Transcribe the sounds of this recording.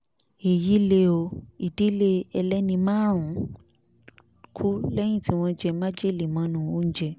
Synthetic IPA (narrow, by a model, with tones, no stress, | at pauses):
e˨ji˨˦le˧o˧i˨de˨˦le˧ɛ˧lɛ˦nĩ˧mãː˦ɾ̃ũ˨˦ | kʰu˦lɛ˦j̃ĩ˦˨ti˨˦w̃ɔ̃˧d͡ʒɛ˧mã˦d͡ʒe˦˨le˨mã˨˧˦nũ˨o˦n̩˦d͡ʒɛ˧